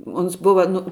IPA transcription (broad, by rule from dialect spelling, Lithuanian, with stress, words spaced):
ˈoːns ˈbʊʋɐ nʊ